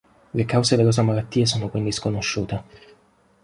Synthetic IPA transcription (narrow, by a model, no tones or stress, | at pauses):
lekawzeveloːsamalat̪ːiːes̬oːnokwind̪iskonoʃːuːt̪e